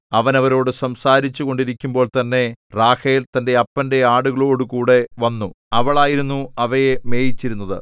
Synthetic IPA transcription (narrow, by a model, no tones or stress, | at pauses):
ɐʋɐnɐʋɐɾo̞ːɽɨsɐmsaːɾit͡ɕːuɣo̞ɳɖiɾikʲːumbo̞ːɭt̪ɐnːe̞raːhejilt̪ɐnde̞ɐpːɐnde̞aːɽuɣɐɭo̞ːɽɨkuːɽe̞ʋɐnːu | ɐʋɐɭaːjiɾunːuɐʋɐjeme̞ːjit͡ɕːiɾunːɐðɨ̰